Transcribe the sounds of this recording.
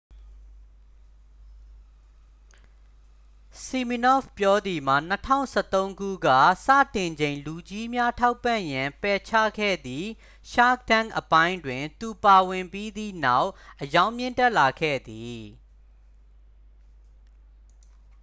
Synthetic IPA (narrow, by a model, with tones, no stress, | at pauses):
si˨mi˨nɔ˦˨fpjɔ˦d̪i˨m̥a˨n̥ətʰã̰˦˨ʊ̃nsɛ̰˦˨t̪õ˦ʊ̃ŋɡṵ˦˨ɡa̰˦˨sä̰˦˨tɪ̃˨ɲd͡ʑẽ˨ɪ̃lu˨d͡ʑi˦mja˦tʰa˦ʊpːã˦˨jã˨mpɛ˨t͡ɕʰä̰˦˨ɡʰɛ̰˦˨d̪i˨ | ʃa˦k̚tã˦˨ŋʔəpã˦ɪ̃ndwɪ̃˨nt̪u˨pa˨wɪ̃˨mpi˦d̪ḭ˦˨na˦ʊʔʔəjã˦ʊ̃mjɪ̃˦˨ntɛ˦ʔla˨ɡʰɛ̰˦˨d̪i˨